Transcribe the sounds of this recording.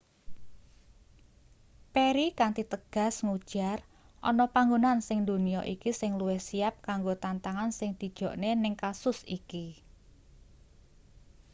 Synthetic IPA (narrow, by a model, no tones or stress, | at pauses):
peɾikant̪it̪əɡ̥a̤sŋud̥ʒ̥ar | ʔɔnɔpaŋɡonansɪŋd̪uniɔʔikisɪŋluwɪhsiap̚kaŋɡot̪ant̪aŋansɪŋd̪̥i̤d̥ʒ̥ɔ̤ʔnenɪŋkasʊsiki